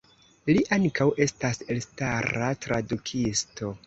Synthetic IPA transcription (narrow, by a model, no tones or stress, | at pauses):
liʔaŋkawʔe̞stase̞lstaɾatɾadukʰisto̞